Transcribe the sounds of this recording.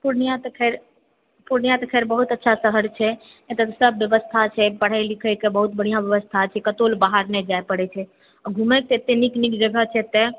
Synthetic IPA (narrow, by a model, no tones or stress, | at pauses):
puɾnijat̪kʰeɾ | puɾnijat̪kʰeɾbəɦut̪ətːʃʰasəɦəɾt͡ʃʰɛ | et̪əsəbːjəʋəst̪ʰat͡ʃʰɛpəɽ̤ajlikʰəkebəɦut̪bəɽ̤ijãʋjəʋəst̪ʰat͡ʃʰɛkət̪olbaɦaɾnɛd͡ʒajpəɽɛt͡ʃʰɛ | ɔɡʱumɛk̚t̪et̪eniknikd͡ʒəɡət͡ʃʰɛt̪ɛ